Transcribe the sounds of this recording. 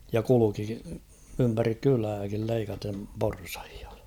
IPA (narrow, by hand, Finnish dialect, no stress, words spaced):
jɑ kuluki ympærik kylæːkil leikɑtem porsɑ̥hi̥ɑ̥